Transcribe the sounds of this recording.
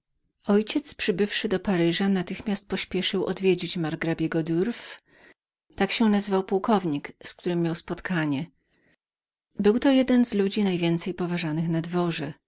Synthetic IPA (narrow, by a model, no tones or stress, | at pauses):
ɔjt͡ɕɛt̪spʂɘbɘfʂɘd̪ɔpaɾɘʐanat̪ɘxmʲast̪̚pɔɕpʲjɛʂɘwʔɔ̰d̪vʲjed͡ʑit͡ɕmaɾɡɾabʲjɛɡɔd̪uɾf | t̪akɕɛnazvawpuwkɔvɲiksk̚t̪uɾɘmːjawspɔt̪kʰaɲɛ | bɘwt̪ɔjɛd̪ɛnzlud͡ʑinajvʲjɛnt̪sɛjpɔvaʐanɘxnad̪vɔʐɛ